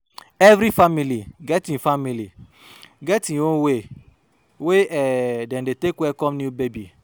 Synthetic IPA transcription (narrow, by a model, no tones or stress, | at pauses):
ɛvɾifamiliɡɛtĩfamili | ɡɛtĩnwõwe | weɛdɛ̃ndetekwɛkɔ̃mnjubebi